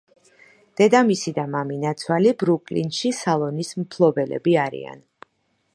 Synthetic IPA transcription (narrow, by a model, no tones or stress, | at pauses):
d̪̥ɛd̪amisid̪amaminat̪sʰwalibɾukʼlḭnʃisalˠɔnismpʰlˠɔbɛlɛ̰biaɾḭa̰n